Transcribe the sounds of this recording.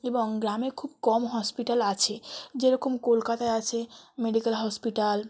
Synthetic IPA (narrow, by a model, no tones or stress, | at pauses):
ebɔŋɡɾamekʰubkɔmɦɔspiʈalat͡ʃʰed͡ʑeɾɔkomkolkat̪aeat͡ʃʰemeɖikəlɦɔspiʈal